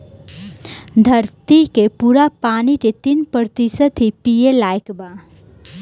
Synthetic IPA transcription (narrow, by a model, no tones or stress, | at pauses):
d̪ʱəɾt̪ikepuɾapaːnit̪et̪inpɾəɾt̪isəd̪ʱipijelaːekba